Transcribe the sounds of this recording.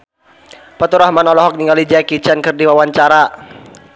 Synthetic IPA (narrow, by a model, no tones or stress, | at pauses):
pət̪uɾahmanɔlɔɦɔk̚niŋɡalid͡ʒakit͡ʃankɨrdiwawaɲt͡ʃaɾa